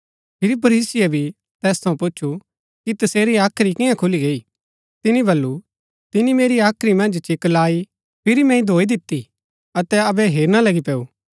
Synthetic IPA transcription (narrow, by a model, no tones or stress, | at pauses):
pʰɪɾipʰɐɾiːsɪabʱi | t̪ɛːst̪ʰɐ̃ũpʊtːt͡ʃʰu | kit̪ɐseːɾiaːkʰɾikɪ̃jãkʰʊliɡeːi | t̪ɪnibɐlːu | t̪ɪnimeːɾiaːkʰɾimɐ̃nd͡ʒt͡ʃɪklaːi | pʰɪɾimɛ̃ĩd̪ʱoːid̪ɪt̪ːi | ɐt̪ɛɐbɛɦeːɾñalɐɡipɛːuː